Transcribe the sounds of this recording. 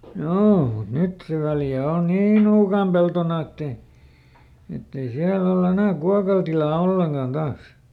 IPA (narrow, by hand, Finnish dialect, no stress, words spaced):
joː mut nyt se ʋæljæ on niː nuːkɑˑm peltonɑ etːei etːei siæl olː enæˑ kuɑkɑl tilɑː olːeŋkɑˑn d̥ɑːs